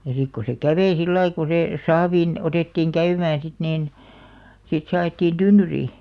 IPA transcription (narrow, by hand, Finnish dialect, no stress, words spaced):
jɑ sik ko se kæʋei silːɑi ko se sɑːʋiːn oteˑtːiːŋ kæymæːn̞ sit niːn sit se ɑetːiːn tynːyriː